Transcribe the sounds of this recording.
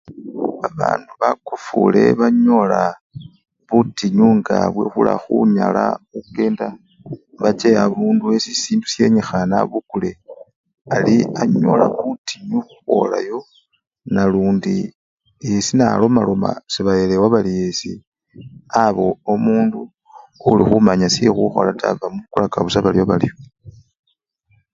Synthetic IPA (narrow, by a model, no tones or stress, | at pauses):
βaβa̰ːnduβakufṵle̞βaɲo̞la | βutiɲuŋɡaβwe̞xula̰xuɲalauke̞ːnda | βat͡ʃeaβuːnduesisiːndusje̞ɲexana̰βukule | aliaɲo̞laβutiɲuxuxo̞̰lajo̞ | naluːndi | esinalo̞malo̞ma̰siβajelewaβalijesi | aβo̞omuːndu | ulixumaɲasixuxo̞̰latavamuβukulakaβusaβalioβali